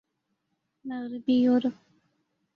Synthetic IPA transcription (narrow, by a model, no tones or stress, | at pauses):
naɣɾɪbijoɾə